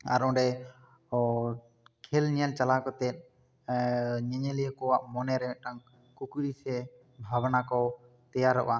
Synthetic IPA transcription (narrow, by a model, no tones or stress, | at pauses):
a̰ɾɔ̃ɖɛ | kʰɛlɲɛlt͡ʃalakɔt̪ɛt̪̚ˀ | ɲɛɲɛlijəkɔwaʔmɔnɛɾɛɛʈaŋ | kukuɾisɛ | bʱabnakɔ | t̪ɛjaɾːɔ̰ʔa